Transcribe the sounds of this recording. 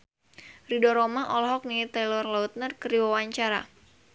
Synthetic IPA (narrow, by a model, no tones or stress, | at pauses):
ridɔɾɔmaʔɔlɔɦɔk̚nit̪alɔrlɔut̪̚nərkəriwawaɲt͡ʃaɾa̰